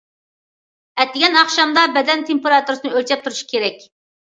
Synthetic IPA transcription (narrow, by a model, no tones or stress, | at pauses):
ɛt̪ːɪɡʲɛnɑχʃɑmd̪ɑbɛd̪ɛnt̪ʰempeɾɑt̪uɾɨsɨnɨølʲt͡ʃʰɛp̚t̪ʰuɾuʃi̥kʲʰeɾɛkʲ